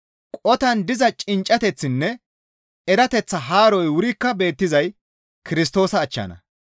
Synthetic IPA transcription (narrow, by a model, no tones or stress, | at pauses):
kʼɔt̪ɐnd̪ɪzɐt͡ʃʼɪnt͡ʃʼːɐt̪ɛt͡sːɪnːɛ | ɛɾɐt̪ɛt͡sːɐɦaːɾɔjwʊɾɪkːɐbe̞ːt̪ːɪzɐj | kɪɾɪs̬t̪o̞ːsɐːt͡ʃːɐ̰ːnɐ̰